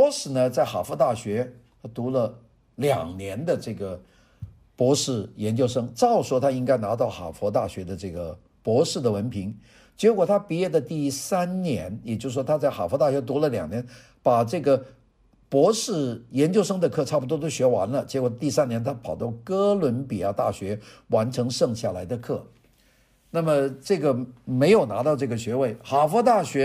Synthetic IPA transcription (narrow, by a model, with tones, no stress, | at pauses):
pɔ˧˥ʂɻ̩˨˩nə˧t͡sa˥˩ɪxa˨˩fɔ˧˥t̪a˥˩ɕɥɛ˧˥ | t̪ʰa˥t̪u˧˥lə˧ | ljɑ̰˨˩ŋnjɛ˧˥nd̪ə˧ʈ͡ʂɤ˥˩ɡə˩ | pwɔ˧˥ʂɻ̩˥˩jɛ˧˥nt͡ɕjo˥˧ʊʂɤ˥ŋʈ͡ʂɑ˥˩ʊʂwɔ˥˩t̪ʰa˥i˥ŋka˥ɪna˧˥t̪ɑ˥˩ʊxa̰˨˩fwɔ˧˥t̪a˥˩ɕɥɛ˧˥d̪ə˧ʈ͡ʂɤ˥˩ɡə˩ | pwɔ˧˥ʂɻ̩˥˩d̪ə˩wə˧˥npʰi˧˥ŋ | t͡ɕjɛ˧˥kwɔ˨˩t̪ʰa˥pi˧˥jɛ˥˩d̪ə˩t̪i˥˩sa˥nnjɛ˧˥njɛ˨˩t͡ɕjo˥˧ʊʂ̩˩ʂwɔ˥t̪ʰa˥t͡sa˥˩ɪxa̰˨˩fɔ˧˥t̪a˥˩ɕɥɛ˧˥t̪u˧˥lə˧˨ljɑ̰˨˩ŋnjɛ˧˥n | pa˨˩ʈ͡ʂɤ˥˩ɡə˩ | pwɔ˧˥ʂɻ̩˥˩jɛ˧˥nt͡ɕjo˥ʊʂɤ˥ŋd̪ə˨kʰɤ˥˧ʈ͡ʂʰa˥˩pu˨˩t̪wɔ˥t̪o˥ɕɥɛ˧˥wa̰˧˥nlə˧˨t͡ɕjɛ˧˥kwɔ˨˩t̪i˥˧sa˥njɛ˧˥nt̪ʰa˥pʰɑ˨˩ʊt̪ɑ˥˩ʊkɤ˥lwə˧˥npi˨˩a˥˧t̪a˥˩ɕɥɛ˧˥wa˧˥nʈ͡ʂʰɤ˧˥ŋʂɤ˥˧ŋɕja˥˩la˧˥ɪd̪ə˧kʰɤ˥˩ | na˥˩mə˩ʈ͡ʂɤ˥˩ɡə˩me˧˥ɪjo˨˩ʊna˧˥t̪ɑ˥˧ʊʈ͡ʂɤ˥˩ɡə˩ɕɥɛ˧˥we˥˩ɪxa˨˩fwɔ˧˥t̪a˥˩ɕɥɛ˧˥